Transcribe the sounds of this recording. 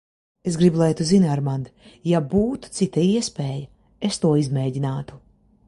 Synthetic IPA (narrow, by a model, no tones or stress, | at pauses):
esɡɾibulˠɛjt̪uzinaɾmand̪jabuːt̪u̥t̪sit̪aiɛspeːjɐ | est̪uɔizmʲɛːɟinaːt̪u̥